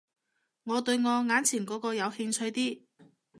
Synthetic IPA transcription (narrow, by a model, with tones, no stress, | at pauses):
ŋɔː˨˧t̪ɵ˧ɥŋɔː˨˧ŋaː˨˥nt͡sʰiː˨˩nkɔː˨˥kɔː˧jɐ˨˧whɪ˧ŋt͡sʰɵ˧jt̪iː˥